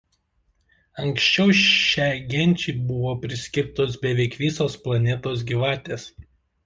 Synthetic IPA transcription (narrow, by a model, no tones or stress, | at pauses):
ɐŋksʲt͡ʃʲɛʊʃʲæˑːɡʲɛnʲˑt͡ʃʲɛɪbʊʋoːpʲɾʲɪsʲkʲɪɾt̪oːsbʲɛʋʲɛɪkʋʲiːsoːsplˠɐnʲɛt̪oːs̬ɡʲiʋɑːt̪ʲeːs